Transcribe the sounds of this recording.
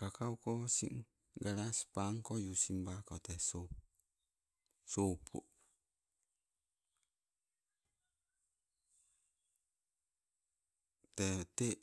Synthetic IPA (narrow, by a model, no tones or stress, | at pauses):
kakawkɔsḭŋ | ɡaɾaspaŋkɔjusimbaɾkɔt̪ɛso | sopʰṵ | tɛte